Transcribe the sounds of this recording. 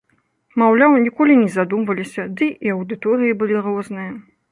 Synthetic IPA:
mawlʲawnʲikɔlʲinʲɛzad̪umvɐlʲisʲɐd̪ɨʔiɐwd̪ɨt̪ɔɾɨjibɨlʲirɔznɨjɐ

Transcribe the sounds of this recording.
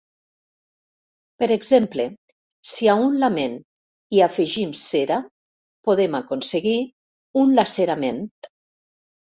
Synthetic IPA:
peɾeɡzemple | siaunlamen | iafeʒimseɾa | poðemakonseɣi | unlaseɾament̪

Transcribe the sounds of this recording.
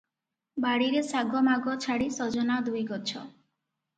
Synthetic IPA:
baɽiɾesaɡʱɔmaɡɔt͡ʃʰaɽisɔd͡ʒɔnad̪ujɡɔt͡ʃʰɔ

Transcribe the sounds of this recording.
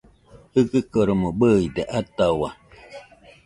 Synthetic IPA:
hɯkɨkoɾomobəid̪eʔat̪awa

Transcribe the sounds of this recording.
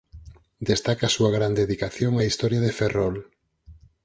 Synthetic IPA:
d̪est̪akasuaɣɾand̪eðikaθjoŋaist̪ɔɾjaðeferɔl

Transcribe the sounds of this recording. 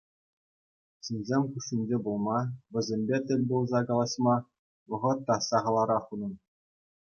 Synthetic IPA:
ɕinʲzʲemʲkuʂinʲd͡ʑebulˠmɑʋʲɘ̆zʲemʲbʲet̪ʲɘ̆lʲbulˠzɑkɑlˠɑɕmɑ | ʋɤ̆ʁɤ̆t̪ːɑsɑʁɑlˠɑɾɑχunɤ̆n

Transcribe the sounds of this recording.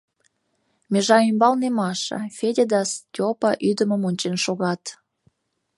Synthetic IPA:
mʲeʒɑymbɑlnemɑʃə̰fedʲed̪ɑstʲopɑʔyd̪əməmonʲt͡ɕenʃoɣɑt̪

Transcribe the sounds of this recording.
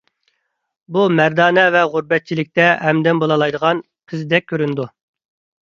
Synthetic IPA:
bumæɾd̪ɑːnɛvɛʁʊɾbɛt̪̚t͡ʃʰilɪk̚ʲt̪ɛɦɛmd̪ɛnbolˠɑlˠɑjd̪əʁɑn | qʰəzd̪ɛk̚ʲʰːøɾynd̪u

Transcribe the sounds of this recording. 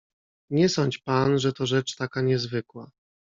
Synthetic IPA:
ɲɛsɔɲt͡ɕpanʐɛt̪ɔʐɛt͡ʂt̪akaɲɛzvɘkwa

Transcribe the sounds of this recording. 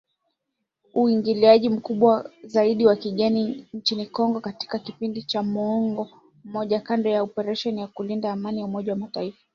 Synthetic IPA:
uiŋɡiliaʄim̩kuɓwazaiɗiwakiɠɛnint͡ʃinikɔŋɡɔkati̥kakipindit͡ʃamɔŋɡɔ | m̩mɔʄakandɔjaɔpɛɾaʃɔnijakulindaːmanijaumɔʄawamataifḁ

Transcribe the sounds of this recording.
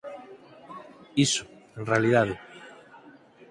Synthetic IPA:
isʊ̥ẽnrealiðaðe

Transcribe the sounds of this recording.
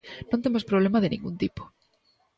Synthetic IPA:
nõnt̪emospɾoβ̞lemaðenḭ̃ŋɡunt̪ipo̥

